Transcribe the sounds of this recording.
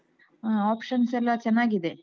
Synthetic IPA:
aːaːpʂɐnsɛlːɐt͡ʃɛnːaːɡid̪e̞

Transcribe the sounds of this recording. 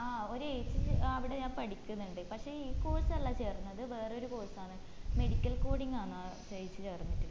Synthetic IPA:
aːo̞ɾueːt͡ɕːɨɐʋiɽe̞ɲaːnpɐɽikʲːunːuɳɖɨpɐkʂe̞ːiːko̞ːsɐɐlːaːt͡ɕe̞ːrunːɐðɨʋe̞ːreo̞ɾuko̞ːsaːɳɨ | me̞ɽikʲːɐlko̞ːɽiŋːaːɳa | eːt͡ɕːɨt͡ɕe̞ːrnːitːu

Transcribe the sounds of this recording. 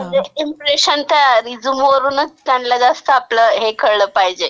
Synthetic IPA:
eimpɾeɕənt̪aɾid͡zumʋəɾuːnəkkanlad͡zast̪əːpləːɦekəɾɭəːpaɦid͡ʑe

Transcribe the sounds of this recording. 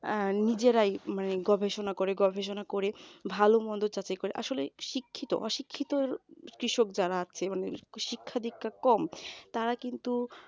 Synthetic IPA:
nid͡ʑeɾajmaneɡɔbʱeʃonakoɾeɡɔbʱeʃ̬onakoɾebʱalomɔnd̪oɾt͡ɕat͡ɕajkoɾeʔa̰ʃoleʃikʰːit̪o̰ʔɔʃikʰːit̪oɾkɾiʃok̚d͡ʑaɾaaːɕʰemaneʃikʰːad̪ʱikʰːakɔmt̪aɾakint̪u

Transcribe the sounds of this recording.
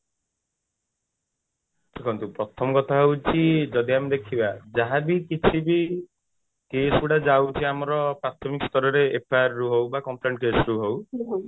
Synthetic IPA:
kekʰɔnt̪upɾɔt̪ʰɔmɔkɔt̪ʰaɦewt͡ʃʰid͡ʒɔd̪iamed̪ekʰibad͡ʒaɦabikit͡ʃʰibi | kesɔbiɽad͡ʒawt͡ʃʰiamɔɾɔpɾat̪ʰɔmikɔst̪ʰɔɾɔɾeʔepʰaɾːuɦowbakɔmpleɳʈɔkesɔɾuɦow

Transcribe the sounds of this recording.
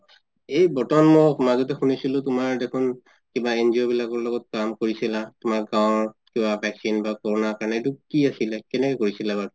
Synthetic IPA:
ejbɔtɔanmɔjmazɔtɛxunisilʊ̃tʊmaɹdekʰun | kibaenziɔbilakɔɹlɔɡɔt̚kamkoɹisilatʊmaɹɡãwɔkibabʱɛksinbakɔɹɔnakaɹnɛetukiasilɛkɛnɛkɛkoɹisilabaɹ

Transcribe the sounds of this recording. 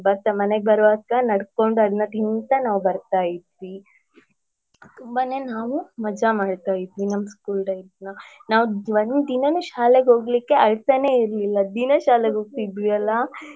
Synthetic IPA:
bɐɾt̪amɐneɡ̚bɐɾʋaːkɐnɐɽko̞ɳɖɐd̪ɐnːɐt̪int̪ɐnaːʋubɐɾt̪aːjid̪ʋi | t̪umbane̞ːnaːʋumɐd͡ʒamaːɽt̪aːjid̪ʋinɐmːɐskuːlɖɐjsnɐnaːʋuʋɐnd̪inɐnuʃaːleɡɦo̞ːɡlikːe̞ɐɭsɐne̞ːiɾlilːɐd̪inɐʃaːleɡoːɡ̚t̪id̪ʋiɐlːɐ

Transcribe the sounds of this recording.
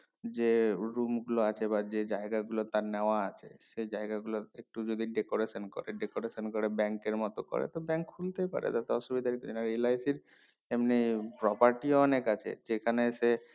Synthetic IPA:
d͡ʒeɾumɡuloat͡ʃʰebad͡ʑed͡ʒaeɡaɡulot̪aɾnɛaat͡ʃʰḛsejd͡ʒaeɡaɡuloek̚ʈud͡ʒod̪iɖekoɾesɔnkɔ̰ɾeɖekoɾesɔnkɔɾebɛŋkeɾmɔt̪okɔ̰ɾḛt̪ɔbɛŋkʰult̪epa̰ɾḛt̪at̪eɔʃubid̪ʱaɾekd͡ʒenaɾielajsiɾ | emnipɾɔpaɾʈiɔnekat͡ʃʰḛd͡ʒekʰanese

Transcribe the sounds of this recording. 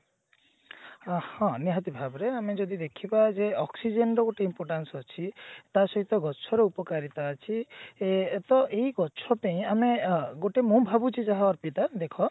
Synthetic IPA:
hɔ̃niɦat̪ibʱabɔɾeamed͡ʒɔd̪id̪ekʰibad͡ʒeɔksid͡ʒenʈɔɡoʈeimpɔɾʈansɔt͡ʃʰit̪asɔɦit̪ɔɡɔt͡ʃʰɔɾeupɔkaɾit̪aːt͡ʃʰi | et̪ɔʔeiɡɔt͡ʃʰɔpeĩameɡoʈemũbʱabut͡ʃʰid͡ʒaɦaɔɾpit̪ad̪ekʰɔ

